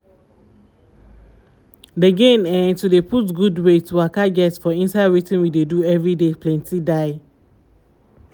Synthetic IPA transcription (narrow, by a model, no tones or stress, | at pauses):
deɡẽnɛ̃ntudepʰutɡudwetːuakaɡɛtsfɔĩnsaɪaɹitɪ̃nwideduɛvɹidepʰlɛ̃ntʰidaɪ